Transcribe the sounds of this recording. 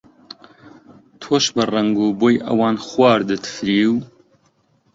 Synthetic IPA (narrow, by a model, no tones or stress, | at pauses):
t̪ʰoːʃbɨrɐŋɡuːboːjʔɐ̰wɑːnxwɑːɾd̪ɨt̪ʰfɾiːw